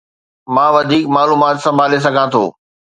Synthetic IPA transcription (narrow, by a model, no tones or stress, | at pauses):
mãːʋɐd̪ʱiːkmaːluːmaːt̪sɐ̃mbʱaːles̬ɐɡʱãt̪ʰo̰ː